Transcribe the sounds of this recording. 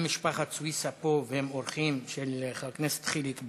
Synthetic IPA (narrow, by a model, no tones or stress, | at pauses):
miʃpaχat͡suisapovehemoɾχimʃeleχalknese̥t̪χilit̪b